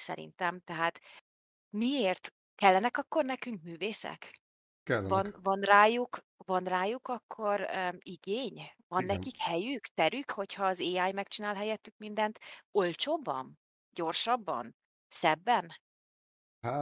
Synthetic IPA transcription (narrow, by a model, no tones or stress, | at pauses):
sɛ̰ɾḭnt̪ɛmt̪ɛɦaːt̪ | mieːrt̪ | kɛlːɛnɛkɒkːo̞rnɛkyŋkmyːveːsɛ̰k | kɛlvɒnvɒnraːjuk | vɒnraːjukɒkʰːo̞ɾiɡeːɲvɒnːɛkikhɛjykt̪ɛɾykho̞chɒːzeːaːjmɛkt͡ʃinaːlɦɛjɛt̪ːykmind̪ɛnt̪o̞lt͡ʃoːbːɒ̰n | ɟo̞rʃɒbːɒ̰n | sɛbːɛn | a